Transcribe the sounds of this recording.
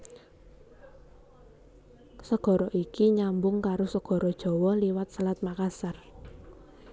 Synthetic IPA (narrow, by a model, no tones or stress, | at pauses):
səɡ̥ɔ̤ɾɔʔikiɲambʊŋkaɾosəɡ̥ɔ̤ɾɔd̥ʒ̥ɔ̤wɔliwat̪̚səlat̪̚makasar